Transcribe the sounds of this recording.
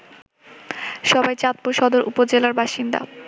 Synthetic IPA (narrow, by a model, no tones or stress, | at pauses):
ʃɔbajt͡ɕat̪̚poʃɔd̪oɾṵpod͡ʑelaɾbaʃind̪a̰